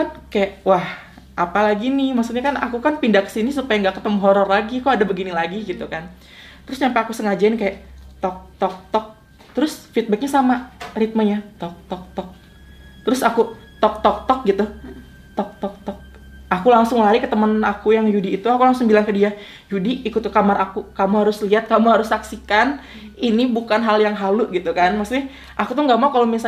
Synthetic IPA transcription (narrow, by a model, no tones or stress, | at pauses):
kankajaʔwah | ʔapalaɡinɪhmaksut̪̚ɲakanakukanpindakə̥sinisupajaŋɡaʔkət̪əməɦɔɾɔrlaɡiakuadabəɡinilaɡiɡit̪ukan | t̪əɾʊsɲampaːkusəŋad͡ʒaɪnkajaʔt̪ɔk̚t̪ɔk̚t̪ɔk̚ | t̪əɾʊsfit̪̚bək̚ɲasamarit̪̚maɲat̪ɔk̚t̪ɔk̚t̪ɔk̚ | t̪əɾʊsaku | t̪ɔk̚t̪ɔk̚t̪ɔk̚ɡit̪u | t̪ɔk̚t̪ɔk̚t̪ɔk̚ | ʔakulaŋsʊŋlaɾikət̪əmənakujaŋjudiːt̪uakulaŋsʊŋbilaŋkədia | judiːkut̪kamarakukamuɦaɾʊsliat̪̚kamuɦaɾʊsːaksikan | inibukanɦaljaŋɦaluɡit̪ukanmaksɪ | ʔakut̪ʊhŋɡamaukalowmisa